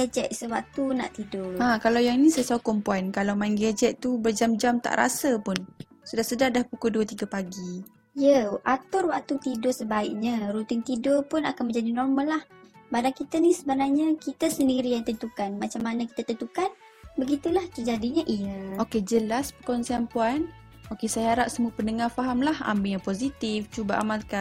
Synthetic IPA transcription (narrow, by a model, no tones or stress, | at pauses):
ɡɛd͡ʒɛt̪̚səwak̚t̪una̰ʔt̪idʊrãkalawjaŋinisasaukɔmpuankalawmainɡɛd͡ʒɛt̪̚t̪ubərd͡ʒamd͡ʒamt̪a̰ʔɾa̰sapʊn | sudahsədahdahpukuduət̪iɡapaɡi | ijəʔat̪ʊrwak̚t̪ut̪idʊsəbaɪʔ̚ɲãɾut̪ɪŋt̪idʊrpʊnakanmə̃ɲd͡ʒadinɔrməlah | badankit̪ənisəbənaɲakit̪əsəndiɾijaŋt̪ənt̪ukanmat͡ʃamːanãki̥t̪at̪ənt̪ukan | bəɡit̪ulaht̪əd͡ʒadiɲaʔijəoked͡ʒəlaspəkɔnsianpuan | okesajaaɾaʔsəmuəpənəŋafaɦamlaha̰mbejaŋposit̪ift͡ʃubaʔa̰malka